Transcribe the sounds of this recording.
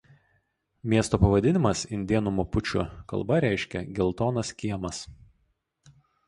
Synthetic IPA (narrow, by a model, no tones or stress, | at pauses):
mʲiɛst̪oːpɐʋɐd̪ʲɪnʲɪmɐsɪnd̪ʲiɛnʊmopʊt͡ʃʲʊ̰kɐ̰lˠbɐɾʲæˑɪʃʲkʲɛ̰ɡʲɛlˠt̪oːnɐskʲiɛmɐs